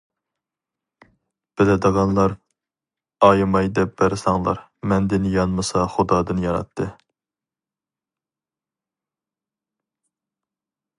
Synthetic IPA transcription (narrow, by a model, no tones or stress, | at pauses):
b̥ɪlɪd̪əʁɑnlˠɑɾ | ɑjmɑjd̪ɛpbɛɾsɑŋlˠɑ̰ɾ | mɛnd̪ɪnjɑnmɨsɑχʊd̪ɑːd̪ɨnjɑɾɑ̰t̪ʰːɨ